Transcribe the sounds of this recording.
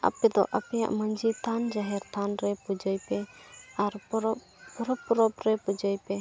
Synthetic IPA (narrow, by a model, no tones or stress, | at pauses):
a̰pɛd̪ɔ̰ʔapɛja̰ʔməɲd͡ʒit̪ʰand͡ʒaɦɛɾt̪ʰanɾɛpud͡ʒəjpɛaɾɔ | pɔɾɔpːɔɾɔpɾɛpud͡ʒəjpɛ